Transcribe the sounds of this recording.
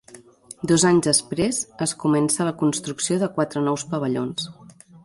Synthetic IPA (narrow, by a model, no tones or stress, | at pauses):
d̪ɔzaɲzðəspɾezəskumɛnsələkunst̪ɾuksioðəkwat̪ɾənɔwspəβəʎons